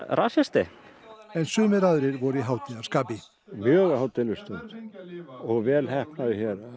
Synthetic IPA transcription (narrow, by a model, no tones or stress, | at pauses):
ɾʔa̰sɛst̪ɪ | ɛnsʏːmɛɾaðɾɪɾvɔɾiɦawt̪nɪɣaɾskaːpɪ | mjœːɣahawt̪ɪlʏst̪ʰœnt̪ | ɔɣvɛːlhɛhpnaðʏçɛːɾa